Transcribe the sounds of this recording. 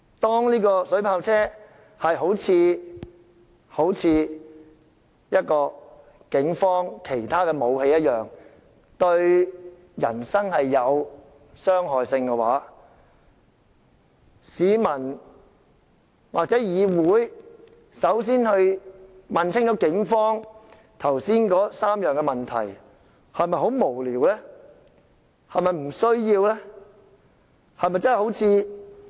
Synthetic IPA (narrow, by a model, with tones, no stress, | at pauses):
t̪ɔː˥ŋniː˥kɔː˧sɵ˨˥ɥpʰaː˧wt͡sʰɛː˥ | hɐ˨jɦo˨˥wt͡sʰiː˨˧ | ho˨˥wt͡sʰiː˨˧ | jɐ˥t̚kɔː˧ | kɪ˨˥ŋfɔː˥ŋkʰe˨˩jt̪ʰaː˥kɛː˧mo˨˧whe˧jɐ˥t̚jœː˨˩ŋ | t̪ɵ˧ɥ | jɐ̰˨˩nsɐ˥ŋhɐ˨jːɐ˨˧w | sœː˥ŋɦɔː˨jsɪ˧ŋkɛ˧wa̰ː˨˥ | siː˨˧mɐ˨˩n | waː˨k̚t͡sɛː˨˥jiː˨˧wuː˨˥j | sɐ˨˥ws̬iː˥nhɵ˧ɥmɐ˨nt͡sʰɪ˥ŋt͡ʃɔ˨˥kɪ˨˥ŋfɔː˥ŋ | t̪ʰɐ˨˩wsiː˥nkɔː˨˥saː˥mjœː˨ŋkɛ˧mɐ˨˩nt̪ʰɐ̰˨˩j | hɐ˨jmɐ˨jho˨˥wmo˨˩wliː˨˩wlɛː˥ | hɐ˨jmɐ˨jm̩˨˩sɵ˥ɥjiː˧wlɛː˥ | hɐ˨jmɐ˨jt͡sɐ˥nhho˨˥wt͡sʰiː˧